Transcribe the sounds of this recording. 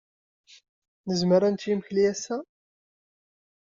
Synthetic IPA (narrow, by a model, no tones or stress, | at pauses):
nəzməɾænt̪jimçliæsæ